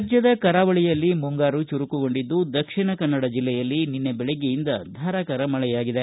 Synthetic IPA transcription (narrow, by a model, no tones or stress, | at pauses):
d͡ʒjɐd̪ɐkɐɾaːʋɐɭijɐlːimuŋɡaːɾut͡ʃuɾukuɡo̞ɳɖid̪ːud̪ɐkʂiɳɐkɐnːɐɽɐd͡ʒilːɛjɐlːininːebɛɭeɡejind̪ɐd̪ʱaːɾakɐɾɐmɐɭɛjaːɡid̪e